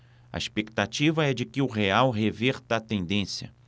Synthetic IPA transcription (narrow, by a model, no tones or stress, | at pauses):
ɐ̰ispek̚t̪at͡ʃivɐɛd͡ʒɪkɪʊɦeawɦeveɾt̪ɐːt̪ẽnd̪ẽsjɐ̰